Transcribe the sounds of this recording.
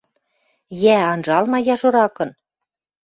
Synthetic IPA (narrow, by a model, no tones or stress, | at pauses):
jæɑnʒɑlmɑjɑʒŏɾɑkɤ̆n